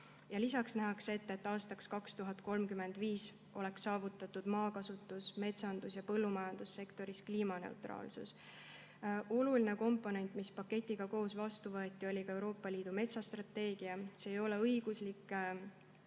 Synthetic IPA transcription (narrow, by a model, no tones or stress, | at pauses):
jɑlisɑksnæɦɑkse̞t̪ːˑe̞t̪ːˑɑːst̪ɑkskɑkst̪uɦɑd̪̥̚ko̞lmkyme̞nd̪̥viːs | ʔo̞le̞ksːɑːvut̪ːˑɑt̪ːˑud̪̥mɑːkɑsut̪ːˑusme̞t̪sɑnd̪̥usjɑpɤ̞lːumɑjɑnd̪̥usːe̞kt̪o̞ɾiskliːmɑne̞̰ṵt̪rɑ̰ːlsṵs | ʔo̞luline̞ko̞mpːˑo̞ne̞nʲt̪ˑmispɑkːe̞t̪ʲːˑiɡ̥ɑko̞ːsvɑst̪uvɤet̪ˑːio̞lʲikɑe̞wɾo̞ːpːˑɑlʲiːd̪ume̞t̪sɑst̪ɾrɑt̪ːe̞ːɡ̥iɑse̞ːjo̞le̞ɤjɡ̥uslikːˑ